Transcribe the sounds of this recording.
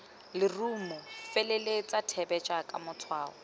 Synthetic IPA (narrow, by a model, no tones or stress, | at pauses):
lɪrumʊfelelet͡sʼatʰɛbɛt͡ʃʼakʼamʊt͡sʰwaːɔ̰